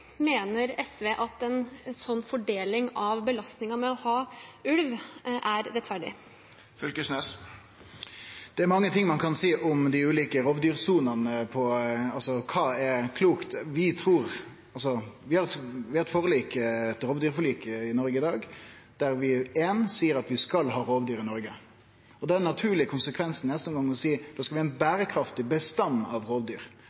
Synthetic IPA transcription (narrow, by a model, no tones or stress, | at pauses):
meːnəɾɛsʋeːʔɑt̪ɛnsɔnːfɔɖeːlɪŋɑʋbəlɑst̪nɪŋɑmɛɔhɑːʉlʋʔæɾɾɛt̪fæɖɪ̰ | fʏlkəsnøs | d̪̥ɛæɾmɑŋːət̪ʰɪŋːmɑnkʰɑnsiːʔʊmd̪ɪʉːliːkəɾɔʋd̪yːɾsuːnɑnəpʰɔɑlsɔkʰɑːɛɾkʰluːkt̪ʋɪt̪ʰɾuːɾ | ɑls̬ɔʋɪhɑɾʋɪhɑɾɛt̪foːɾəliːkəɛt̪ɾoːʋd̪yːɾfɔliːkɪnɔɾɡəɪd̪ɑːɡ | d̪̥æɾʋɪeːnsiːəɾɑt̪ʋɪskɑlɦɑːɾoːʋd̪yːɾɪnɔɾɡə | ɔd̪ɛænːɑt̪ʰʉːlɪkʰʊnsəkʰʋɛnsn̩nɛst̪ʊŋɡɑŋːɔsiːd̪̥ɑːskɑʋɪhɑɛɪnbæːɾəkʰɾɑft̪ɪbəst̪ɑnːɑʋɾoːʋd̪yːɾ